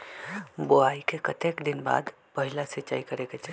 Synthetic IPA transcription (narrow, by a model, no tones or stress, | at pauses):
boaikekət̪ekd̪ɪnba̰ːd̪ | pəɦilasiːt͡ʃa̰ːikəɾeket͡ʃʰ